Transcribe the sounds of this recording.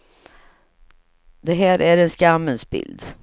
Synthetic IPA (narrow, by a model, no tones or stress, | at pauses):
d̪ɛɦæːɾʔæɾɛnskamːənsbɪ̰ld̪